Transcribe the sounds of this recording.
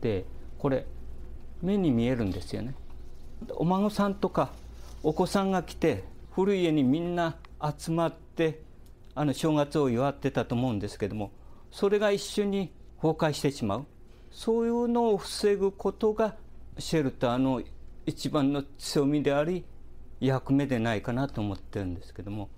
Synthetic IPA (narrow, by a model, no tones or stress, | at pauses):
t̪e̞ko̞ɾe̞ | me̞ɲ̟imʲie̞ɾɯ̟̃nd̪e̞sɨjo̞̰ne̞ | o̰maŋosãnt̪o̞kaoko̞sãŋɡakʲi̥t̪e̞ɸɯɾɯ̟ie̞ɲ̟imʲĩnːaːt͡sɨmat̪ːe̞ | ano̞ɕo̞ːɡat͡sɨo̞iβat̪ːe̞t̪at̪oːmo̞ɯ̟̃nd̪e̞sɨ̥ke̞d̪o̞mo̞ | so̞ɾe̞ɡaiɕːo̞ɲ̟i | ho̞ːkaiɕi̥t̪e̞ɕimaɯ̟ | so̞ːjɯno̞ːɸɯ̟̥se̞ɡɯ̟ko̞t̪o̞ɡaɕe̞ɾɯ̟t̪o̞ano̞it͡ɕibãnːo̞t͡sɨjo̞mʲid̪e̞aɾʲi | jakɯ̟me̞d̪e̞naikanat̪o̞ːmo̞t̪ːe̞ɾɯ̟̃nd̪e̞sɨ̥ke̞d̪o̞mo̞